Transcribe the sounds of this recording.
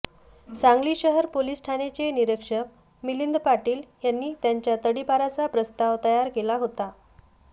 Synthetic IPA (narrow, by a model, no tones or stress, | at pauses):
saŋɡliːɕəɦəɾpolisʈʰanet͡seniɾəkʂək | milind̪paʈiːljanːiːt̪jaɲt͡ɕjat̪əɽibʱaɾat͡sapɾəst̪aʋt̪əjaɾkelaɦot̪a